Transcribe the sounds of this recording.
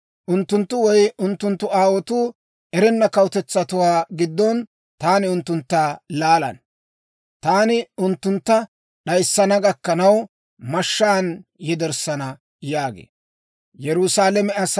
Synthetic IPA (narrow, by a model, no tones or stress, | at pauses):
ʔʊnt̪ːʊnt̪ːʊwɔjʊnt̪ːʊnt̪ːʊaːwɔt̪uː | ʔɛɾɛnːɐkɐwt̪ɛt͡sːɐt̪ʊwaːɡɪd̪ːɔn | t̪aːnɪʊnt̪ːʊnt̪ːaːlaːlɐ̰n | t̪aːnɪʊnt̪ːʊnt̪ːɐ | ɗɐjsːɐnɐɡɐkːɐnɐw | mɐʃːaːnjɛd̪ɛɾsɐnɐ | jaːɡḛː | jɛɾʊsaːlɛmɛɐs